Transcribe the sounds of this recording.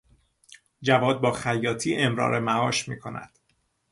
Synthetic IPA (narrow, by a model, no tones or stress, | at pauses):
d͡ʒævɒːd̪̚bɒːxæjːɒːt̪ʰiːʔe̞mɾɒ̰ːɾʔemæɒːʃmḭːkʰo̞næ̰d̪̥